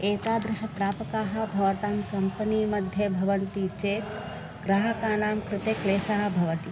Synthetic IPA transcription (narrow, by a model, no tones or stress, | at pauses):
eːt̪aːd̪ɾɪʃɐpɾaːpɐkaːɦɐ̆bʱɐʋɐt̪aːmkɐmpɐniːmɐd̪ʱjɐbʱɐʋɐnt̪it͡ʃeːt̪ | ɡɾaɦɐkaːnaːmkɾɪt̪eːkleːʃaːɦɐ̆bʱɐʋɐt̪i